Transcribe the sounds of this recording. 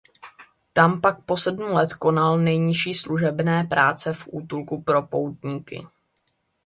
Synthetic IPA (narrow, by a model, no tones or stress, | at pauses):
t̪ampak̚po̞sɛdmulɛt̪ko̞nalnɛjɲɪʃiːsluʒɛbnɛːpɾaːt͡sɛfʔuːt̪ulkupɾo̞po̞wt̪ɲiːkɪ̰